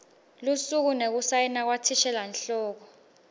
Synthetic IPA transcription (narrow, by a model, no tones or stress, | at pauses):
lusuk̬unek̬usajɛnak̬watʰiʃɛlanɬɔːk̬ɔ